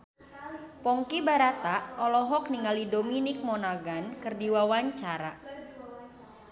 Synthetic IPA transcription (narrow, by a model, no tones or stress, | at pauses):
pɔŋkibaɾat̪aʔɔlɔɦɔk̚niŋalidominik̚mɔnaɡankɨrdiwawaɲt͡ʃaɾa